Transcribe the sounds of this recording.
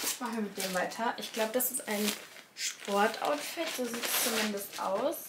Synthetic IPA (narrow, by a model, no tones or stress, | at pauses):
ɪmaχn̩viɐmɪt̚d̥eːmvaɪtʰɐʔɪçɡ̥laʊbəd̥asɪstʔaɪn | ʃpʰɔɐtʔa̰ʊtfɛtz̥oːziːtɛ̥st͡sumɪndəstʔa̰ʊs